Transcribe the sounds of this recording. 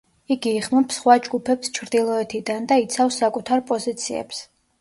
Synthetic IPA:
iɡiːχmɔpsχwad͡ʒɡupʰɛpst͡ʃʰɾd̪ilˠɔɛt̪ʰid̪and̪ait̪sʰafsːakʼut̪ʰaɾpʼɔzit̪sʰiɛ̰ps

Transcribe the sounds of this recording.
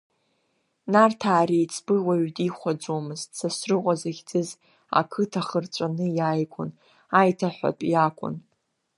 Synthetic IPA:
nartʰaːrijt͡sʰb̥ɨwaɥdiχʷad͡zomɨztʰsasrɨqʷʼazaɣʲd͡zʼɨz | a̰kʰɨtʰaχərt͡ʃʷʼanɨjaːjkʷʰʼʊn | ajtʰaħʷa̰tʼjakʷʼʊ̰n

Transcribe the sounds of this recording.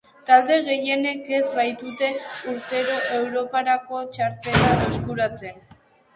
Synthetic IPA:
t̪ald̪e̞ɣ̞e̞je̞ne̞ke̞zβajt̪ut̪e̞uɾt̪e̞ɾo̞ʔe̞wɾo̞paɾako̞t͡ʃaɾt̪e̞laeskuɾat͡se̞n

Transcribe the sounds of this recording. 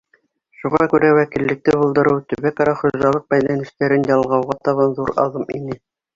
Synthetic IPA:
ʃuʁɑkʉɾæwækilːɘ̆k̚t̪ɘbŏlˠd̪ɤ̆ɾɤwt̪ɵ̆βækɑɾɑχŏʒɑlˠɤq̚bæjlænɘ̆st̪æɾɘnjɑlˠʁɑwʁɑt̪ɑβɑnðuɾɑ̰lˠɤminɘ

